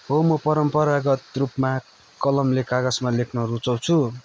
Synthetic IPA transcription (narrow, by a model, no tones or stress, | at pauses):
ɦomʌpʌɾʌmpʌɾaɡʌt̪rupma | kʌlʌmlekaɡʌsmalekʰnʌɾut͡sʌw̃t͡sʰu